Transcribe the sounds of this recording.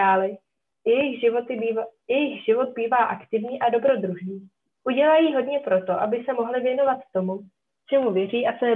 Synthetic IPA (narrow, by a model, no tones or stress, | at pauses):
aːlɪ | jɛjɪxɪojɛjɪxʒɪvo̞d̪̚biːvaːʔakt̪ɪvɲiːʔado̞bɾo̞d̪ɾuʒɲiː | ʔuɟɛlaːjiɦo̞dɲɛpɾo̞t̪o̞ʔabɪsɛmo̞ɦlɪvjɛno̞vat̪ːo̞mu | t͡ʃɛmuvjɛr̝iːʔat͡sɛɛ